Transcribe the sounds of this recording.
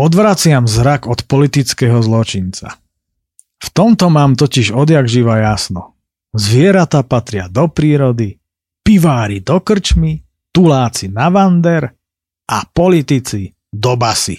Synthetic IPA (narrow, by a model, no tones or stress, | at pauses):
ɔd̪ʋɾat͡sɪamzɾaɡɔt̪pɔlit̪it͡skɛɦɔzlɔt͡ʃint͡sa̰ | ft̪ɔmt̪ɔmaːmt̪ɔciʒɔd̪jaɡʒiʋajasnɔ | zʋɪɛɾat̪aːpat̪ɾɪad̪ɔpɾiːɾɔd̪i | piʋaːɾid̪ɔkr̩t͡ʃmi | t̪ulaːt͡sinaʋand̪ɛɾ | ʔapɔlit̪it͡si | d̪ɔbasḭ